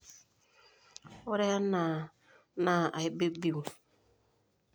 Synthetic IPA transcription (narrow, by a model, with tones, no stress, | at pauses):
o˦ɾe˦ja˦na˨ | na˦˨a˨i˦be˦bi˦˨